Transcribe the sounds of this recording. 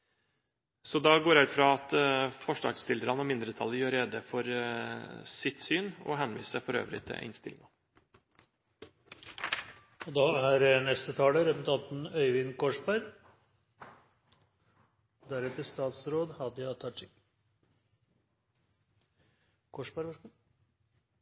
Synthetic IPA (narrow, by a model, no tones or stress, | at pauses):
sɔd̪ɑɡoːɾæʉt̪fɾɑɑt̪fɔʂɖɑ̰ːɡst̪ɪld̪əɾɑnɔmɪnd̪ɾət̪ʰɑlːəjøːɾeːd̪əfɔɾ | sɪt̪syːnɔ̰ɦɛnʋḭːsə̥sæɪfɔɾø̰ːʋɾɪ̰t̪ʰɪ̰ʔɪ̰nst̪ɪlɪ̰ŋɑ | d̪ɑːæɾnɛst̪ət̪ʰɑːləɾɛpʊɾt̪ʰɑnt̪n̩œʏʋɪnkʰɔʂbæɾ | d̪æɾɛt̪əɾst̪ɑːt̪sɾoːd̪hɑd̪ɪɑt̪ʰːɑʈɪk | kʰɔʂbæɾʋɑ